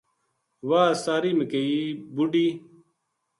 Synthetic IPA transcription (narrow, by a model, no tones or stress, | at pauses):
waːsaːɾiːmekeiːbuɖiː